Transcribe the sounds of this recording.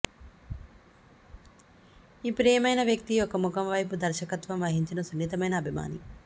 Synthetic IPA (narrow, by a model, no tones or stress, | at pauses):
iːpɾɛːjɐmɐjnɐʋjɐk̚t̪iokɐmukɐmʋɐjpud̪ɐɾʃɐkɐt̪ʋɐmʋɐɦiɲt͡ʃinɐsunːit̪ɐmɐjnɐːbʱima̰ːni